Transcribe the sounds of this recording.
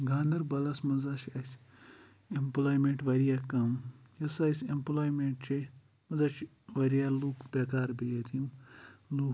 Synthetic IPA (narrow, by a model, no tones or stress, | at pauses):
ɡʱaːnd̪ɐɾbɐlɐsmɐzat͡ʃʰɐsʲ | emplaːjmẽɳʈʋɐɾijakɐmjɐsɐjsʲemplaːjmeɳʈt͡ʃʰe | mɐzat͡ʃʰ | ʋɐɾijaːluːkbeːkaːɾbejet̪ʰimluː